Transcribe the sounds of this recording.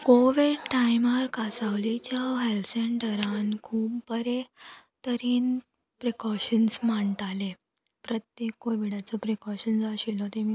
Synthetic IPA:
koʋiɖʈajmaɾkasaʋlit͡ɕjaɦelseɳʈəɾankʰuːpbəɾe | t̪əɾiːn | pɾekɔɕənsmaɳt̪ale | pɾət̪jekːoʋiɽat͡sɔpɾekɔɕənsaɕilɔt̪emi

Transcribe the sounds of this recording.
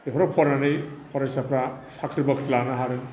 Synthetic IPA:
eɦɔɾɔpʰɔɾanɯjpʰɔɾasapʰɾasakʰɾibakʰtlanaɦaɾɯn

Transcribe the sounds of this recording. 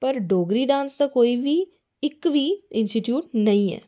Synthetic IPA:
pəɾɖoːɡɾiːɖãːnsd̪aːkoːiʋiː | ɪkʋiːɪnsʈiʈjuːʈ̚nəĩːɛ̰ː

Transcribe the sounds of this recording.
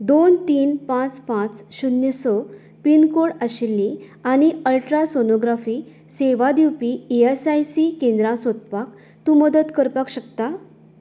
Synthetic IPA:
d̪ont̪iːnpãt͡spãt͡sɕunjəsɔ | pinkoɽəɕilːĩ | aɽ̃iəlʈɾasonoɡɾafiː | seʋad̪iwpiːesajsikẽnd̪ɾasot̪̚pak | t̪ũməd̪ət̪kəɾpakɕəkt̪a

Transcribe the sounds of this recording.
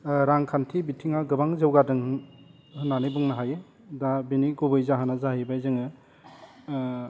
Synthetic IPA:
ɾaŋkʰantʰibitʰiŋaɡɯbaŋzɯwɡadɯŋ | hɯnːanibuŋnaɦaje | dabiniɡubɯjzaɦɯnazaɦibajzɯŋɯ

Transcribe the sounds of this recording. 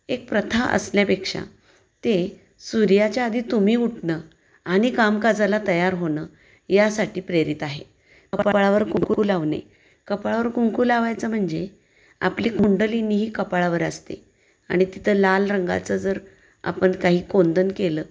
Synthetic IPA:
ek̚pɾət̪ʰaʔə̰sljapekʂa̰ | t̪e | suɾjat͡ɕjaːd̪ʱiːt̪um̤iːuʈʰnəː | aɽ̃ikamkad͡zalat̪əjaɾɦonə | jasaʈiːpɾeɾit̪aɦḛ | əpɭaʋəɾkuŋkuuːlaʋnḛ | kəpɭaʋəɾkuŋkuːlaʋajt͡səm̤əɳd͡ze | a̰pliːkʰuɳɖəliniːɦiːkəpɭaʋəɾəst̪ḛ | a̰ɽ̃it̪it̪ʰəːlalɾəŋɡa̰t͡səd͡zəɾ | a̰pəɳkaɦiːkond̪ʱənkeləː

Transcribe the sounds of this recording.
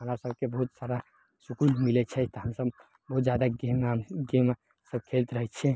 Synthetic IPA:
ɦəmɾasəb̚kebəɦut̪saɾa | sukulmilɛt͡ʃʰɛt̪ɔɦəmsəb | bəɦut̪d͡ʒjad̪aɡemɡem | səb̚kʰelt̪ɾəɦɛt͡ʃʰɛ

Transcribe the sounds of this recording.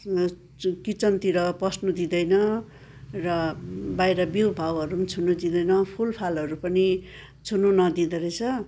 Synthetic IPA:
kit͡sʌnt̪iɾʌprʌsnud̪id̪ʌjnʌ | rʌbajɾʌbiwbʱawɦʌɾunit͡sʰunud̪id̪ʌjnʌpʰulpʰalɦʌɾupʌni | t͡sʰununʌd̪id̪ʌɾʌt͡sʰʌ

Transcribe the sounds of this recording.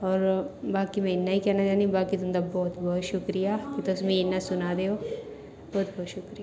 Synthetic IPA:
ɔːɾbaːkimɛ̃ɪnːaɦikɛɦnat͡ʃaːnibaːkit̪ʊmd̪abɔːt̪bɔːt̪ʃʊkɾijakit̪osmĩɪnːasʊnad̪eːo | bɔːt̪bɔːt̪ʃʊkɾija

